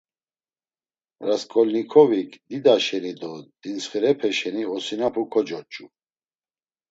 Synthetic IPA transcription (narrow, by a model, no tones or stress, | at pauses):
ɾaskʼɔlnikʰɔvikʰʼd̪id̪aʃɛnid̪ɔd̪̥insχɛɾɛpʰɛʃɛniɔsinapʰukʰɔd͡ʒɔt͡ʃʼu